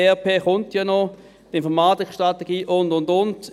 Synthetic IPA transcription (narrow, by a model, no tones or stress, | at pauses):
ɛpʰeːχʊntjanɔ | tɪnfɔɐmaːtɪkʃtʁateɡ̥iːʔʊndʊndʊnd